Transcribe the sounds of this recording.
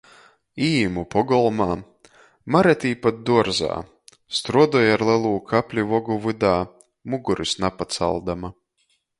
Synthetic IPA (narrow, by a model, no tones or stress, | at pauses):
iːmupɔɡɔlˠmaː | maɾɛt̪iːpat̪̚d̪uɔɾza̰ː | st̪ɾuɔd̪ɔjaɾlˠɛlˠuːkʰapʲlʲivɔɡuvɨd̪aː | muɡuɾisnapat̪sa̰lˠd̪ama